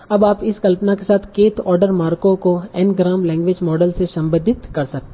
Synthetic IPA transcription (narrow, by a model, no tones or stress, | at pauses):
ɐbaːpɪskɐlpnakesaːt̪ʰkeːt̪ʰɔːɾɖəɾmaːɾkõkoɛːnɡɾaːmlɛ̃ːŋɡʋeːd͡ʒmɔːɖəlsesɐ̃mbəd̪ʱɪt̪kɐɾsɐk̚t̪e